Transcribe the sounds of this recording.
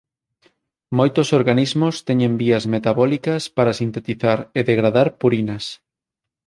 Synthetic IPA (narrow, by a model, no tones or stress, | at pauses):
mojt̪osoɾɣanizmʊst̪ɛɲẽmbiɐzmet̪aβɔlikɐspaɾasint̪et̪iθaɾeðeɣɾaðaɾpuɾinɐs